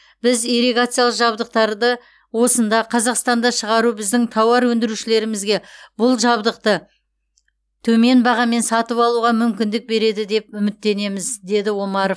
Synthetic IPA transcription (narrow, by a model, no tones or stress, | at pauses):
bɪziɾeɡat̪sɨjalˠəqʒɑbd̪əq̚t̪ɑɾd̪ə | wo̞sənd̪ɑqʰɑzɑqst̪ɑnd̪ɑʃəʁɑɾubɪzd̪ɪŋt̪ʰɑwɑɾwɵnd̪ɪɾuʃɪle̞ɾɪmɪzɡʲe̞bʊlˠʒɑbd̪əq̚t̪ə | t̪ʰɵme̞nbɑʁɑme̞nsɑt̪əpɑlˠuʁɑmʏmkʲɪnd̪ɪk̚be̞ɾe̞d̪ɪd̪e̞p̚ʏmɪt̪ːe̞ne̞mɪzd̪e̞d̪ɪwo̞mɑɾof